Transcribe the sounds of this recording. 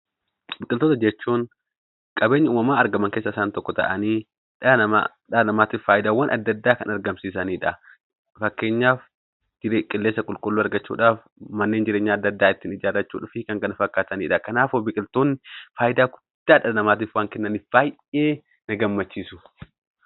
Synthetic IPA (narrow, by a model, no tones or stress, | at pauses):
bɪkʼɪlt̪oːt̪ɐd͡ʒɛt͡ʃːuːŋ | kʼɐbeːɲːɐuːmɐmaːɐɾɡɐmɐŋkeːsːɐɪsaːnt̪ɔkːɔt̪ɐ̰ʔɐniː | ᶑɐɐa̰ | ᶑɐnɐmaːt̪iːfaːjɪd̪aːwɐnʔɐd̪ːɐd̪ːaːkɐnɐɾɡɐmsiːsɐniːᶑɐ | fɐkːe̞ːɲːaːf | d͡ʒɪkʼɪlːeːsːɐkʼʊlkʼʊlːuːɐɾɡɐt͡ʃːṵːᶑaːf | mɐnːe̞ːnd͡ʒɪɾeːɲːaːd̪ːɐd̪ːaːɪt̪ːiːnɪd͡ʒaːɾɐt͡ʃːṵːᶑʊfɪkɐŋkɐnɐfɐkːaːt̪ɐniːᶑɐkɐnaːfobɪkʼɪlt̪oːnːɪfaːjɪd̪aːkʊ̥ | d̪̥aːᶑɐlɐnɐmaːt̪̬iːfwaːŋkɛnːɐnɪb̥aːj | eː | nɐɡɐmːɐt͡ʃːiːsʊ̥